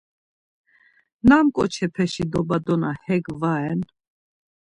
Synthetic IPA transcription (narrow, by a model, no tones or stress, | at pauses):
namkʼɔ̰t͡ʃʰɛpʰɛʃid̪ɔbad̪ɔnahɛɡvaɛn